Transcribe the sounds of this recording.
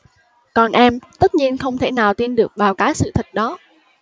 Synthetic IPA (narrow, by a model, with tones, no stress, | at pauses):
kɔ˨˩nʔɛ˧mt̪ə˦˥t̚ɲi˧ənxə˧wŋ͡mt̪ʰe˧˩naː˨˩wt̪i˧nɗɨ˨˩ək̚ɓaː˨˩wkaː˨˦jsɨ̰˧˨t̪ʰi˨˩ɗɔ˨˦